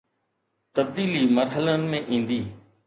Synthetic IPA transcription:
t̪əb̚d̪iːliːməɾɦələnɪ̆mẽːʔĩːnd̪iː

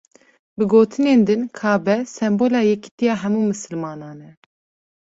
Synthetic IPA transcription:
bɨɡoːt̪ʰɨneːnd̪ɨnkʰɑːbɛsɛmboːlɑːjɛki̥t̪ijɑːɦɛmuːmɨsɨlmɑːnɑːnɛ

